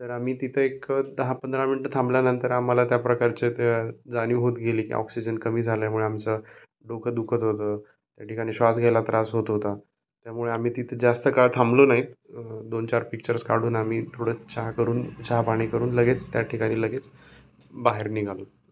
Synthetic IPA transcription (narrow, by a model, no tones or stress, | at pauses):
t̪əɾam̤iːt̪it̪ʰəekəd̪əɦapənd̪ɾaminiʈət̪ʰãmbljanənt̪əɾamalat̪japɾəkaɾt͡ɕet̪ed͡zaniːɦot̪ɡʱeliːkḭʔɔ̰ksid͡ʑənkəmiːd͡zʱaljamuɭeamt͡sə | ɖokʰəd̪ukʰət̪ɦot̪əː | t̪jaʈikaɽ̃iːɕʋasɡʱelat̪ɾʔasɦot̪ɦot̪a | t̪jamuɭeam̤iːt̪it̪ʰəd͡zast̪əkaɭt̪ʰamblonaɦit̪d̪ont͡ɕaɾpik̚t͡ɕəɾskaɽ̤uːnam̤iːt̪ʰoɽ̤əːt͡ɕʰaɦkəɾuːnt͡ɕaɦpaɽ̃iːkəɾuːnləɡet͡st̪jaʈʰikaɽ̃iːləɡet͡s | baɦeɾniɡʱalo